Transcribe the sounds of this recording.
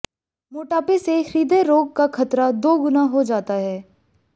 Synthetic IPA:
moːʈaːpesexɾiːd̪ʱeɾoːɡ̚kakʰɐt̪ɾad̪oːɡʊnaɦod͡ʒaːt̪aɦɛː

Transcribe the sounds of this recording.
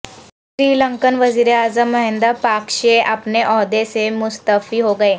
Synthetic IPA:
ʃɾiːlə̃ŋkənʋəziːɾeaːzəmːɐɦɪ̃nd̪əpaːkʃeʔɐpneʔɔːd̪esemʊst̪əfiɦoɡɐeː

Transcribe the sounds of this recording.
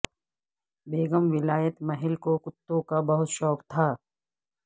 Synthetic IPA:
beːɡəmʋɪlaːjət̪mɐɦɪlkokʊt̪ːõkabɐɦʊt̪ʃɔːkt̪ʰaː

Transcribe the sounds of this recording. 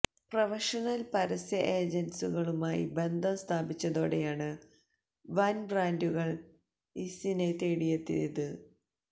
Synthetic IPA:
prɐʋɐʂɐnɐlpɐɾɐsjɐʔe̞ːd͡ʑɐnsuɣɐɭumaːjḭbe̞nd̪ʱɐmst̪ʰaːbit͡ɕːɐðo̞ːɽe̞jaːɳɨ | ʋɐnbraːnduɣɐɭ | isinet̪eːɽijɐt̪ːḭniðɨ

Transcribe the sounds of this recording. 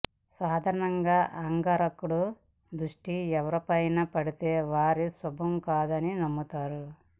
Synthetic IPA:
saːd̪ʱaːɾɐɳɐŋɡaːʔɐŋɡaɾɐkːuɽu | d̪ɾuʂʈiɛʋɐɾɐpɐjnɐpɐɽit̪eːʋaːɾisɔbʱɐmkaːd̪ɐninɐmːut̪aːɾu

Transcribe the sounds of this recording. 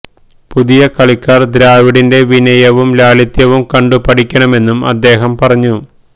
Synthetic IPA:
puðijɐkɐɭikʲːaːrd̪ɾaːʋiɽinde̞ʋinɐjɐʋumlaːɭit̪jɐʋumkɐɳɖupɐʈikʲːɐɳɐme̞nːumɐ̰d̪ːe̞ːɦɐmpɐrɐɲːu

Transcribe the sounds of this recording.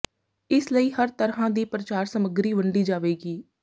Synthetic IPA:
ɪsləiːhəɾt̪əɾɦãːd̪iːpɾət͡ʃaːɾsəməɡɾiːʋəɳɖiːd͡ʒaːʋeːɡiː

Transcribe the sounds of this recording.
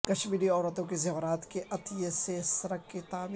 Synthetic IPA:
kɐʃmiːɖiɔːɾət̪õkezɐʋɾaːt̪keʔɐt̪ijesesɐɾəkːit̪aːmː

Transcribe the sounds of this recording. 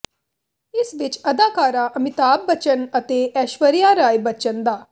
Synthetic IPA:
ɪsʋɪt͡ʃɐd̪aːkaːɾaʔɐmɪt̪aːb̚ːət͡ʃənət̪eːɛːʃʋəɾijaːɾaːjbət͡ʃənd̪aː

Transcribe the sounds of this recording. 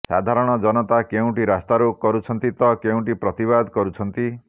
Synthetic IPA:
sa̰d̪ʱaɾɔɽ̃ɔd͡ʒɔnɔt̪akeũʈiɾast̪aɾukɔɾut͡ʃʰɔnt̪it̪ɔkeũʈipɾɔt̪iβad̪ʱkɔɾut͡ʃʰɔnt̪i

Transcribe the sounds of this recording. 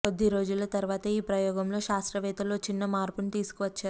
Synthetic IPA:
kod̪ːiɾo̞ːd͡ʒulɐt̪ɐɾuʋaːt̪ɐiːpɾɐjɔːɡɐmlo̞ːʃaːst̪ɾɐʋɛːt̪ɐlo̞ːt͡ʃinːɐmaːɾpunt̪iːsu̥kuʋɐt͡ʃːaːɾ

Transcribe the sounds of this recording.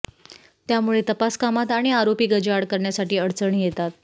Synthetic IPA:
t̪jamuɭet̪əpaskamat̪aɽ̃iaɾopiːɡəd͡ʑaɽkəɾɳjasaʈiːəɽt͡səɳijet̪at̪̚

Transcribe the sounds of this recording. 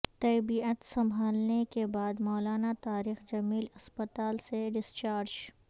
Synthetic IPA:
t̪ɛːbiət̪sɐ̃mbʱaːlnekebaːd̪mɔːlaːnat̪aːɾiːxd͡ʒɐmiːlɐspət̪aːlseɖɪst͡ʃaːɾd͡ʒ

